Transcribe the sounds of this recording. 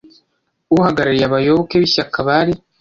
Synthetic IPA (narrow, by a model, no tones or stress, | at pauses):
uhaɡaɾaɾijaβajoβokeβiɕakaβaɾi